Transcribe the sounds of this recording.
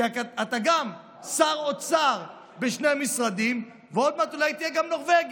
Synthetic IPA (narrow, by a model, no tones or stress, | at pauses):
at̪aɡam | saʁot͡saʁ | beʃne̞amisʁad̪im | veo̞d̪̚mat̪olajt̪ijeɡamno̞ʁveɡ